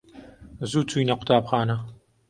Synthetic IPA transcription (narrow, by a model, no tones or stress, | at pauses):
zuːt͡sujnɐqʷʊ̥t̪ʰaːbxaːnɐ